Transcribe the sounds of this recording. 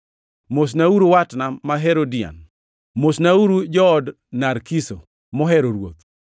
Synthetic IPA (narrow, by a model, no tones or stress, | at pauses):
mos̬nauɾowatnamaɦeɾodɪa̰n | mosnauɾud͡ʒɔːd | naɾkiso̰ | mɔɦɛɾoɾwo̰t̪̚